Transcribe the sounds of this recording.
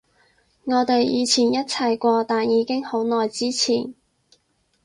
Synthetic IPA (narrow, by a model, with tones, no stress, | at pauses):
ŋɔː˨˧t̪e˨jjiː˨˧t͡sʰiː˨˩njɐ˥t̚t͡sʰɐ˨jkʷɔː˧t̪aː˨njiː˨˧kɪ˥ŋho˨˥wnɔː˨jt͡siː˥t͡sʰiː˨˩n